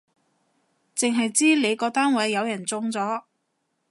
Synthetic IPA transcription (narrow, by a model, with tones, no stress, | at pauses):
t͡sɪ˨ŋɦɐ˨jt͡siː˥le˨˧jkɔː˧t̪aː˥nwɐ˨˥jːɐ˨˧wjɐ˨˩nt͡sʊ˧ŋt͡sɔː˨˥